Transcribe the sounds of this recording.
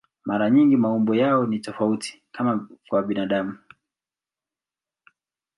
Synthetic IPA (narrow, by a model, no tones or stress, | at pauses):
maɾaɲiŋɡimaumbɔjaɔnitɔfautʰi̥ | kamakwaɓinaɗamu